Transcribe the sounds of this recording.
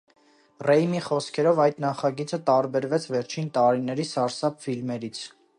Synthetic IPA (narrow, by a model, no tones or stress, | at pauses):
rɛjmiχɔskʰɛɾɔvɑjt̪nɑχɑɡit͡sət̪ɑɾbɛɾvɛt͡sʰvɛɾt͡ʃʰint̪ɑɾinɛɾisɑɾsɑpfilmɛɾit͡sʰ